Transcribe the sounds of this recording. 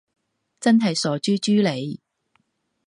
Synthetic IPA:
t͡sɐ˥nɦɐ˨jsɔː˨t͡ʃyː˥t͡ʃyː˥le˨˧j

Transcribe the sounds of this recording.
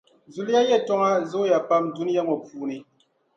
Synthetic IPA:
zu˨lja˦jɛ˦˨tɔ˦ŋa˦zo˦ja˨pa˦m˨du˦n˦ja˦mɔ˨puː˨ni˨

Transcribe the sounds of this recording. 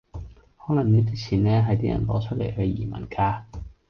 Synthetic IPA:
hɔː˨˥lɐ˨˩ŋniː˥t̪i˥t͡sʰiː˨˩nɛː˥ɦɐ˨jt̪iː˥jɐ̰˨˩nlɔ̰ː˨˥t͡ʃʰɵ˥t̚lḛ˨˩jhɵ˧jḭː˨˩mɐ̰˨˩nkaː˧

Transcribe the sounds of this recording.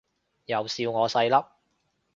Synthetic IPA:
jɐ˨wsiː˧wŋɔː˨˧sɐ˧jlɐ˥p̚

